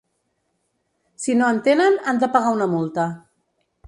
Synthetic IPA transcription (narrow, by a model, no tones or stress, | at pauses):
sinoənt̪enənand̪əpaɣaunamulˠt̪a